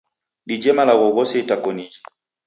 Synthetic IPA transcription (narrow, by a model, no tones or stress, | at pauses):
ɗid͡ʒɛmalaɣɔɣɔsɛitakɔnid͡ʒi